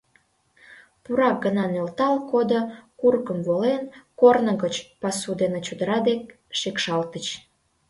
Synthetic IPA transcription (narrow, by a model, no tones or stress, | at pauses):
puɾɑk̚ɡənɑnølt̪ɑlkod̪okurkəmvolenkornə̆ɣət͡ɕpɑsud̪enet͡ɕud̪əɾɑd̪ek̚ | ʃekʃɑlt̪ət͡ɕ